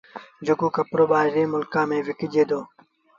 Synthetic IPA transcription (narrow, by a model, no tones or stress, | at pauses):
d͡ʑuɡuːkɐpɾoːbaːɾẽːmʊlkãːmẽːʋikid͡ʑeːd̪oː